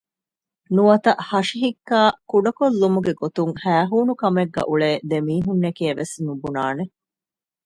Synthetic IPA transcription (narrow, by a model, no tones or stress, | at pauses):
nuɐt̪ɐʔhɐʂiɦikːaːkuɖɐkolːumuɡeɡot̪uŋhæːɦuːnukɐmeɡːɐ̰ʔuɭeːd̪emiːɦunːekiɐʋesnubunaːne